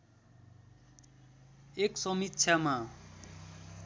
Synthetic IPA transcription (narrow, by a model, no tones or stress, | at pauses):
eksʌmit̪ːsʰjama